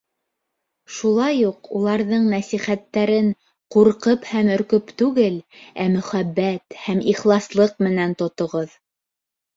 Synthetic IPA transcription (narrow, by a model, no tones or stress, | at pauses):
ʃulˠɑjuqulˠɑɾðɤɴnæsiχæt̪ːæɾɘɴ | quɾqɤphæmɵ̆ɾkɵpt̪ʉɡɘlæmɵ̆χæbːæt̪hæmiχlˠɑslˠɤqmɘ̆nænt̪ŏt̪ŏʁɤð